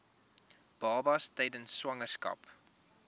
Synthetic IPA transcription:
b̥ɑːbɐstɛjdənswɐŋərskɐ̰p

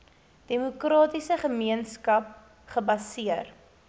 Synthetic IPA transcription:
d̥emukrɑːtisəχəmiənskɐp̚ | χəbɐsiər

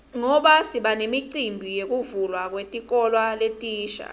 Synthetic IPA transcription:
ŋɔɓasiɓanemiǀimbʱijek̬ʼuvulwak̬wetʼik̬ʼɔlwaletʼiːʃa̰

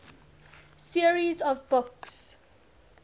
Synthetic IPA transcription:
siəɹizɔvbɔks

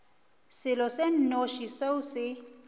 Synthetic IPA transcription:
sɪlɔsen̩noʃiseusɪ

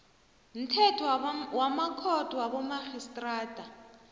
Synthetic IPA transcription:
n̩tʰɛtʰɔwamakʰɔtʼwabɔmaχistʼraːtʼa

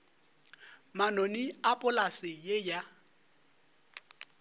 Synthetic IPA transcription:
manoniapʼʊlasɪjeja

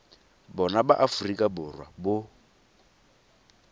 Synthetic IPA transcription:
bɔnabaʔafurikʼabʊrwa̰bʊ

